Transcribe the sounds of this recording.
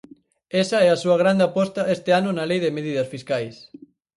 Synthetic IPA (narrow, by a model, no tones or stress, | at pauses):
ɛsɐɛasuɐɣɾand̪eapɔst̪ɐʔest̪ɪanʊnalejðemeðiðɐsfiskajs